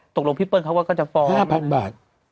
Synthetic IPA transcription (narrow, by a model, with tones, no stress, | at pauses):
t̪o˨˩k̚lo˧ŋpʰi˦˥˩pːɤː˧nkʰwa˥˩kɔ˥˩t͡ɕa˨˩fɔː˦haː˥˩mpʰa˧nbaː˨˩t̪̚